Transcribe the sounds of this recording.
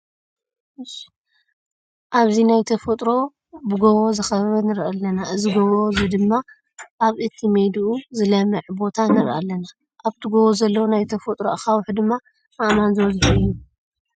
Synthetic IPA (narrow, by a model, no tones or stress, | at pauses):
ʔaβzinajt̪ʰɐfɐt̪ʼɾo̞ | bɨɡoβozɨxɐβɐβɐnɨɾʔɐlːɐnaʔɨziɡoβozid̪ɨmːa | ʔaβʔɨt̪ʰːimed̪ʔuzɨlɐmɨʕbo̞t̪ʰanɨɾʔa̰lːɐna | ʔaβt̪ʰɨɡoβozɐlːɐwunajt̪ʰɐfɐt̪ʼɾoʔxawħd̪ɨmːa | ʔaʔmanzɨwɐzħujːu